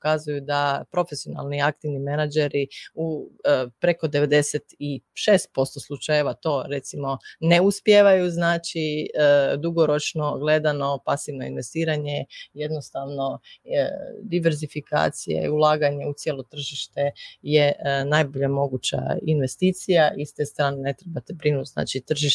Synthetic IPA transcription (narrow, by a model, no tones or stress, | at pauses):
pokazujud̪apɾo̞fesio̞na̰lˠniak̚t̪iʋnimenad͡ʒeɾiupɾe̞ko̞d̪e̞ʋe̞d̪e̞set̪iʃeːst̪̚po̞st̪oslˠut͡ʃajeʋat̪o̞ːɾe̞t̪simo̞ne̞uspjeːʋajuznaːt͡ʃi | d̪uɡo̞ɾo̞t͡ʃno̞ɡle̞d̪ano̞pasiʋno̞inʋe̞st̪iːɾaɲe̞jed̪nost̪aʋno̞ | d̪iʋe̞ɾzifikʰa̰ːt̪sijḛḭulˠaːɡaɲe̞ut̪sjelˠo̞t̪r̩ʒiʃt̪ejenajbo̞ʎamo̞ɡut͡ɕa̰inʋe̞st̪iːt̪sijaʔist̪est̪ɾaːnene̞t̪ɾebat̪ebɾinut̪ʲzna̰ːt͡ʃit̪r̩ʒiʃ